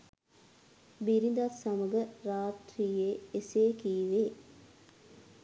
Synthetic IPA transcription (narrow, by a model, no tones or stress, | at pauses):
biɾid̪at̪saməɡəɾaːt̪ɾiːjeeseːkiːʋeː